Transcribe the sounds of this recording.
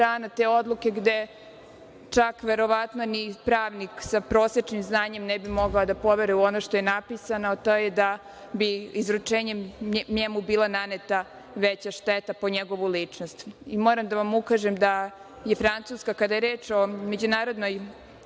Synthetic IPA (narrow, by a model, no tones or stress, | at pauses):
aːnat̪eːo̞d̪lˠuke̞ɡd̪e̞ | t͡ʃakʋe̞ɾo̞ʋat̪no̞nipɾaːʋniksapɾoːset͡ʃnimznaːɲe̞mnɛbimo̞ɡaod̪apo̞ʋeɾɛuonoʃt̪o̞jenapisanoot̪oːjed̪a | biizɾut͡ʃeːɲeɲemubiːlˠananet̪a | ʋet͡ɕaʃt̪et̪apo̞ɲeɡo̞ʋulit͡ʂno̞st̪imo̞ːɾamd̪aʋamukaːʒemd̪a | jefɾantsuːskakad̪ajeɾeːt͡ʃo̞me̞d͡ʑunaːɾo̞d̪noj